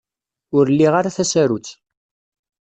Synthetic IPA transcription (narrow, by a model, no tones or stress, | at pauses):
ʊɾlːiʁaɾaθæsæɾut͡sː